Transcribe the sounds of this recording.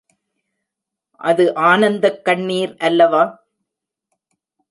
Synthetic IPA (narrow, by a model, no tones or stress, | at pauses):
ʔɐðɯʔaːnɐnd̪ɐkːɐɳːiːɾʔɐlːɐʋaː